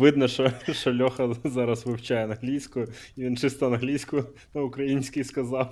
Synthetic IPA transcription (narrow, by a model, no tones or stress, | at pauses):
ʋɪd̪nɐʃɔʃɔlʲɔxɐzɑɾɐsʋɪwt͡ʃajɛɐnɦlʲijsʲkʊjʊiʋʲint͡ʃɪst̪ɐɔɐnɦlʲijsʲkʊ | nɐukɾɐjinʲsʲkʲijskɐzɑw